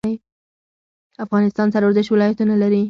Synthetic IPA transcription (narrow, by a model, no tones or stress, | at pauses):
j | afɣɑnɪst̪ɑnsaɾwəɾzɪʃwɪlɑjat̪unalaɾi